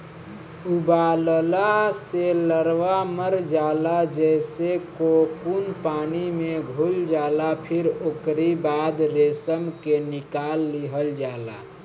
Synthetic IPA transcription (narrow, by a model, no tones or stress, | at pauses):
ubaləlaseləɾʋaməɾd͡ʒalad͡ʒɛsekokunpanimeɡʱuld͡ʒalapʰiɾoːkɾibad̪ɾesəmkenikalːiɦəld͡ʒala̰